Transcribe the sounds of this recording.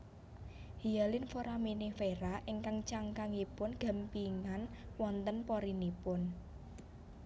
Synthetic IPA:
hijalɪnfoɾaminifeɾaʔɪŋkaŋt͡ʃaŋkaŋipʊnɡ̥a̤mpiŋanwɔnt̪ənpɔɾinipʊn

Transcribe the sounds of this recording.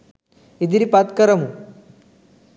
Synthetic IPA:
id̪iɾipat̪kɐɾɐmu

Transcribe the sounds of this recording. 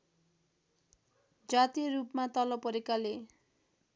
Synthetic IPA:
d͡zat̪irupmat̪ʌlʌbpʌɾekale

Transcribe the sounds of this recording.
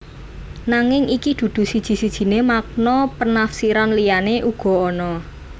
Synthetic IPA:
naŋɪŋikid̪̥ṳd̪̥ṳsid̥ʒ̥i̤sid̥ʒ̥i̤nemak̚nɔpənafsiɾanlijaneʔuɡ̥ɔ̤ɔnɔ

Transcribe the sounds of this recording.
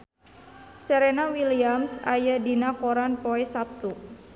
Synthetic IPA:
seɾenawiliamsa̰jadinakoɾanpoɛsap̚t̪u

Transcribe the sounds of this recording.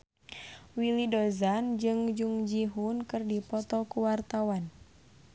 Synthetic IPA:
wilidɔzand͡ʒɨŋd͡ʒuŋd͡ʒiɦunkɨrdipɔt̪ɔkuwart̪awan

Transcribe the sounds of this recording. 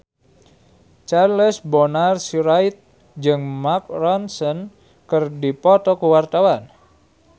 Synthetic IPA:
t͡ʃarləsbɔnarsiɾajt̪̚ | d͡ʒɨŋmak̚rɔnsən | kərdipɔt̪ɔkuwart̪awan

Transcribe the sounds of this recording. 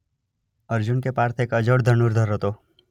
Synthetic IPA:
əɾd͡ʒunkepaːɾt̪ʰekəd͡ʒəɽd̪ʱənuɾd̪ʱəɾət̪o

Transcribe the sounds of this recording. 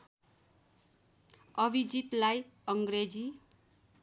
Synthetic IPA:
ʌbid͡zit̪lajʌŋɡred͡zi

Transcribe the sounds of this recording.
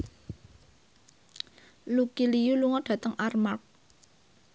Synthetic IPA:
lukilijuluŋɔɖ̥ä̤t̪əŋʔarmak̚

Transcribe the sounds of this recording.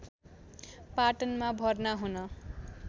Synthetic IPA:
paʈʌnmabʱʌrnaɦunʌ

